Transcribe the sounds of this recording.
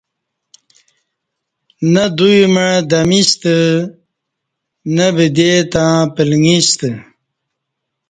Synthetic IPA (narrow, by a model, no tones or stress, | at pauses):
nɐd̪ujməɻd̪ɐmist̪ə | nabid̪et̪ãːpilŋist̪ə